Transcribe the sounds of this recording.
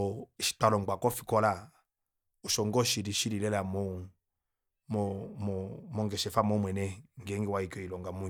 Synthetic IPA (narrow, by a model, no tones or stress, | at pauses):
ʃi̥twalɔŋɡ͡bakɔfi̥kɔla | uʃɔŋɡɔʃiɾiʃiɾilɛlamɔ | mɔmɔmɔŋɡɛʃɛfamɔmwɛnɛŋɡɛŋɡɛwaikɔilɔŋɡamu